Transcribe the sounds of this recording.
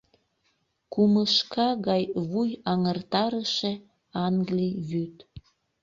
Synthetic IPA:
kuməʃkɑɣɑjβujɑŋərt̪ɑɾəʃe | ɑŋɡliβyt̪

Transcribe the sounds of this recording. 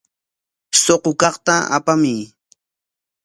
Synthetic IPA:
soqokɑχt̪aa̰pamɪj

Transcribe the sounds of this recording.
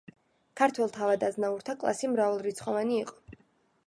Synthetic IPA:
kʰaɾt̪ʰwɛlˠt̪ʰavad̪aznauɾt̪ʰakʼlˠa̰simɾavalˠɾit̪sʰχɔvaniːqʼɔ̥

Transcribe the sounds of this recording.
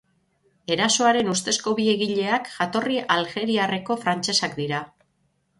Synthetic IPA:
e̞ɾaso̞aɾe̞nust̪e̞sko̞βie̞ɣiʎe̞akʝat̪o̞riʔalxe̞ɾiare̞ko̞fɾant͡ʃe̞sakd̪iɾa

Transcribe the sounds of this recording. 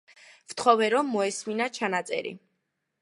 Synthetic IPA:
vt̪ʰχɔvɛɾɔmːɔɛsminat͡ʃʰanat̪sʼɛ̰ɾḭ

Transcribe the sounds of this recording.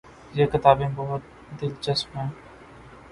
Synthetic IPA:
jeːkɪt̪aːbẽːbɔɦʊt̪̚ | d̪ɪlt͡ʃəsmɦɛ̃ː

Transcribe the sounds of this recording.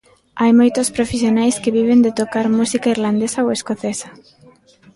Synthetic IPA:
ajmojt̪ospɾofesjonajskeβiβ̞end̪et̪okaɾmusikaiɾland̪esɐoweskoθesɐ̥

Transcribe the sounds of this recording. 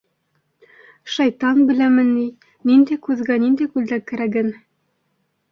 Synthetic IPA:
ʃɑjt̪ɑnbɘ̆læmɘ̆nːi | nind̪æjkʉðɡænind̪æjkʉld̪ækæ̆ɾæɡɘn

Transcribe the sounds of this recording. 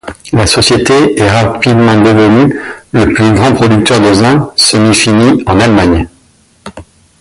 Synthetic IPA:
lasɔsjet̪eɛʁapid̪mɑ̃d̪evənyləplyɡʁɑ̃pχɔd̪yk̚t̪œʁd̪ezɛ̃səmifiniɑ̃nalmaɲ

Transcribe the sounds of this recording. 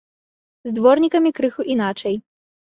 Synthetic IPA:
zd̪vɔrnʲikɐmʲikɾɨxuʔin̪at͡ʂɐj

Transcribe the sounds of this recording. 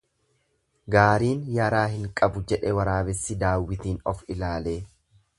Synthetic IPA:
ɡaːɾiːnjɐɾaːɦɪŋkʼɐbʊd͡ʒɛᶑɛwɐɾaːbɛsːɪd̪aːwːɪt̪iːnɔfɪlaːle̞ː

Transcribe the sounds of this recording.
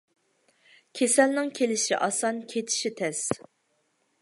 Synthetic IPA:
kʲʰesɛlnɪŋkʲʰelɪʃḭʔɑsɑnkʲʰet̪ʰɪ̥ʃit̪ʰɛs

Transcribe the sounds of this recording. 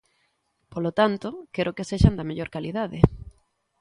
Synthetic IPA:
polot̪ant̪okeɾʔokeseʃand̪ameʎoɾkaliðaðe

